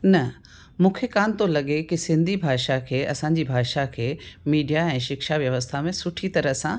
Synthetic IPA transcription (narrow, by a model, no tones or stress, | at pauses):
nɐ | mũːkʰekaːnt̪olɐɠekisɪ̃nd̪ʱibʱaːʃakʰeːɐsãːɲ̆d͡ʑibʱaːʃakʰeːmiːɖijaɛ̃ːʃɪkʃaʋjɐʋəst̪ʰamẽsʊʈʰit̪ɐɾəsã